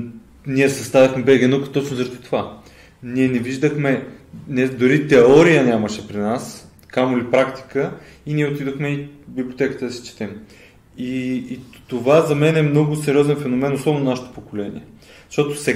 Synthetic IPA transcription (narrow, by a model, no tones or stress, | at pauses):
niɛsɐst̪avɐxmɛbɛɡɛnukə̥t̪ot͡ʃnozəɾʃt̪i̥t̪ova | niɛnɛviʒd̪əxmɛnɛd̪oɾit̪ɛɔɾijənʲaməʃɛpɾinas | kamolipɾakt̪i̥kəiniɛot̪id̪oxmɛibibliot̪ɛkət̪əd̪ɐsɛ̥t͡ʃɛ̥t̪ɛm | iː | t̪ovazɐmɛnɛmnɔɡʊsɛɾiɔzɛnfɛnomɛnoslɔbnonaʃɛ̥t̪o̥pokolɛnḭɛ | ʃt̪ɔt̪o̥sɛ